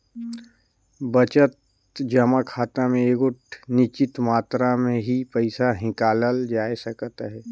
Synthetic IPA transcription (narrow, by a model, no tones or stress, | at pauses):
bət͡ʃət̪ | d͡ʒəmakʰaːt̪amẽeːkʊʈnɪt͡ʃɪt̪maːt̪ɾamẽɦipəɪsaɦɪ̃kaːləld͡ʒaːesəkt̪aɦɛː